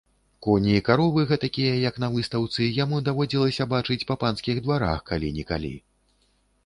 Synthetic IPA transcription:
kɔnʲiːkaɾɔvɨɣɛt̪akʲijɐjɐkn̪ɐvɨst̪ɐwt̪sɨjamud̪avɔd͡zʲilˠɐsʲɐbat͡ʂɨt͡sʲpɐpanskʲiɣd̪vaɾa̰xkalʲinʲika̰lʲḭ

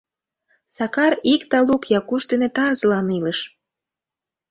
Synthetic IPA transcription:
sɑkɑɾikt̪ɑlukjɑkuʃt̪enet̪ɑrzlɑniləʃ

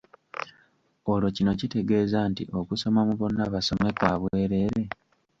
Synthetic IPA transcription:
o̞lo̞cino̞cite̞ɡe̞ːzantḭʔo̞kuso̞mamuβo̞nːaβaso̞me̞kwaːβwe̞ːɾe̞ɾe̞

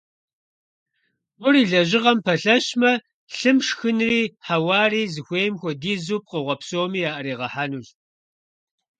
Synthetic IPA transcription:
wʷʊriːɮɐʑɪʁɐmpʰɐɬɐɕmɐ | ɬɨmʂxɨnriːħawaːriːzɨxʷeːjmxʷɔdiːzuːp̚qəʁʷɐpsoːmiːjaːʔɐɾiːʁɐħaːnuːɮ

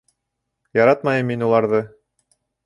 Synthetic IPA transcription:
jɑɾɑt̪̚mɑjɤmːinulˠɑɾðɤ

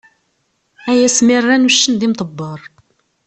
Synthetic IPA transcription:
æjæsmɪrːænuʃːəndðimt̪ˤəbːɑɾˤ

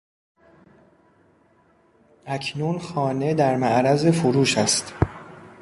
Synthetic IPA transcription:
ʔæcʰnuːnxɒːne̞d̪æɾmæʔɾæze̞foɾuːʃæst̪

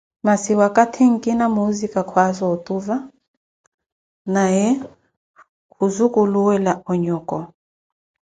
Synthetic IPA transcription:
masiwakʼatʰiŋ̩kʼinamuzikʼakʰwazɔɔt̪ʼuva | najɛ | kuzukʼuluwɛlaɔɲɔkʼɔ

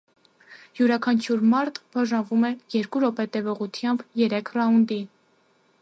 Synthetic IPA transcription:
juɾɑkʰɑnt͡ʃʰjuɾmɑɾt̪b̥ɑʒɑnvumɛjɛɾkuɾɔpɛt̪ɛvɔʁut̪ʰjɑmbjɛɾɛkʰrɑund̪i

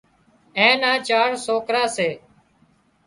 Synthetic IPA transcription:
ẽːnãːt͡ʃaːɳsoːkɾaːseː

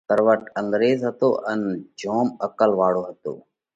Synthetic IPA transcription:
kəɾʋəʈəŋɡɾeːzɦət̪o̰ːʔənd͡ʒʱoːməkəlʋaːɽoːɦət̪o̰ː

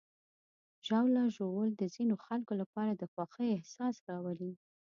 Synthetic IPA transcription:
ʒawlaʒowəld̪əzinoxalkolapɑɾad̪əxwɑxəjɪhsɑsɾɑwəli

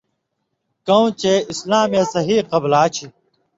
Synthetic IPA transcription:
kɐw̃t͡ɕeislaːmjɐsɐɦiːqɐblaːt͡ɕʰi

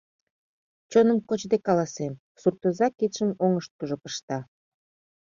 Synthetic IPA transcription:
t͡ɕonəmkot͡ɕd̪ekɑlɑsem | surt̪ozɑkit̪ʃəmoŋəʃt̪̚kuʒopəʃt̪ɑ

